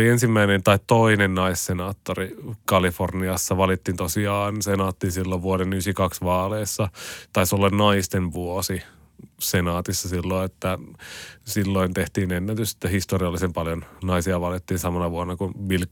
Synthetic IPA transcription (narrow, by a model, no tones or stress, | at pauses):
liensimːæinent̪ɑitt̪oinennɑissenɑːt̪ːorikɑliforniɑsːɑʋɑlit̪ːiːnt̪osiɑːnsenɑːt̪ːinsilːoʋʋuoɾenysikɑksʋɑːleːsːɑt̪ɑisolːɑnnɑist̪enʋuosi | senɑːt̪isːɑsilːoiet̪ːæ | silːoint̪eht̪iːnenːæt̪yse̥t̪ːæhist̪oriɑlːisempɑljonnɑisiɑʋɑlit̪ːiːnsɑmɑnɑʋuonːɑkunʋil